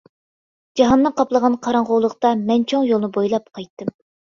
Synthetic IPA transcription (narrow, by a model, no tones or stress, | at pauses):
d͡ʒɑɦɑnːɨŋqʰɑplˠəʁɑnqʰɑɾɑŋʁowlˠəqt̪ɑmɛnt͡ʃʰoŋjolˠnɨbojlˠɑp̚qʰɑjt̪ːɨm